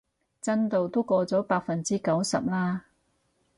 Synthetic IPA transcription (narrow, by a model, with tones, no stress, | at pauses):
t͡sɐ˥nt̪o˨˧wt̪o˥wkɔː˧t͡sɔː˨˥paː˧k̚fɐ˨nt͡siː˥kɐ˨˥wsɐ̰˨p̚laː˥